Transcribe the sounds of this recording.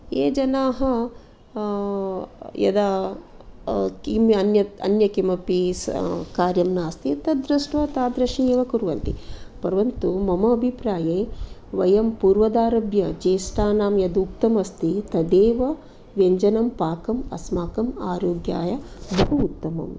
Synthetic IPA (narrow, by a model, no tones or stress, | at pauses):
eːd͡ʒɐnaːɦɐ | jɐ̰d̪a | kimɐnjɐɐ̰njɐkimɐpiskaːɾjɐmnaːst̪it̪ɐd̪ɾɐʂʈʋɐt̪aːd̪ɾɐʃieːʋɐkuɾʋɐnt̪ḭpɐɾʋɐnt̪umɐmɐːbʱipɾaːjeːʋɐjɐmpuːɾʋɐd̪aːɾɐbjɐd͡ʒeːsʈaːnaːmjɐd̪uk̚t̪ɐmɐst̪it̪ɐd̪eːʋɐ | ʋjeɲd͡ʒɐnɐmpaːkɐmɐ̰smaːkɐma̰ːɾoːɡja̰ːjɐbʱɐɦuːt̪ːɐmɐ̰m